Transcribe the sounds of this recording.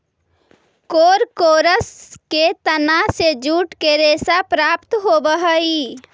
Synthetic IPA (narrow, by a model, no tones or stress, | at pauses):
koːɾkoːɾəsket̪ənased͡ʒuːʈkeɾeːsapɾaːpt̪ɦoːbəɦəi